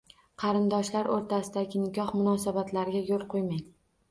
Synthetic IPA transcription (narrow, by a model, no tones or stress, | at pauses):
qʰɑɾɪnd̪ɒʃlaɾʔoɾt̪ʰasɪd̪aɡʲɪnɪɡʲɒhmʊnɒsabat̪ʰlaɾɡʲajolˠqʰojmaj